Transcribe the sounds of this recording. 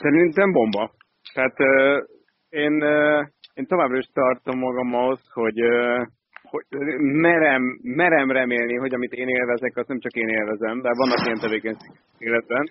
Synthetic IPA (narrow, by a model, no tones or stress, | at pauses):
sɛɾint̪ɛmbo̞mbɒ | t̪ɛat̪øː | eːnøeːnt̪o̞vaːbrɒiʃt̪ɒrt̪o̞mːɒɡɒmɒɦo̞sho̞ɟø | ho̞mɛɾɛmːɛɾɛmrɛmeːlniɦo̞ɟɒmit̪eːneːlvɛzɛkɒznɛmt͡ʃɒkeːneːlvɛzɛmd̪aːvɒnːɒkijɛnt̪ɛveːkɛɲʃeːɡɛkteːlɛd̪̚bɛn